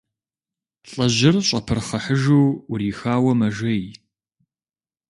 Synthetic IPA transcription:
ɬʼɐʑɪrɕʼɐpʰɨrχɐħəʒuːriːxaːwɐmɐʒɐj

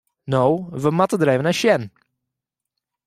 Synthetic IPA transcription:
nowvəmat̪əd̪ɾeɪvənaʃɛn

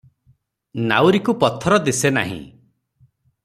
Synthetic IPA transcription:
na̰wɾikupɔt̪ʰɔɾɔd̪isena̰ɦḭ̃

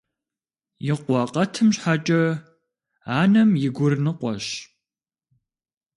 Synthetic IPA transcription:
jɪqʷɔqʼɐtʰɨmɕħat͡ʃʼɐ | aːnɐmjɪɡʷʊrnɨqʷɔɕ

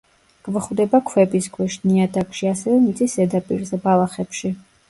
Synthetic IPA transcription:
ɡ̥vχwd̪ɛbakʰwɛbisɡʰwɛʃniad̪akʼʃiasɛvɛmit̪sʼisɛd̪apʼḭɾzɛbalˠaχɛpʃi

